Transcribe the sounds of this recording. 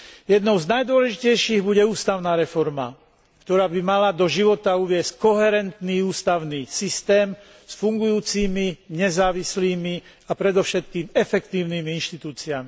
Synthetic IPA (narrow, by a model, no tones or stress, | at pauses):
jɛd̪nɔʊznajd̪ʊɔlɛʒicɛjʃiːɣbuɟɛuːst̪aʊnaːɾɛfɔɾma̰ | kt̪ɔɾaːbimalad̪ɔʒiʋɔt̪auʋɪɛsc̚kɔɦɛɾɛnt̪niːuːst̪aʊniːsist̪ɛːm | sfuŋɡujuːt͡siːmiɲɛzaːʋisliːmi | apɾɛd̪ɔʊʃɛt̪kiːmɛfɛkt̪iːʊniːmiinʃt̪it̪uːt͡siami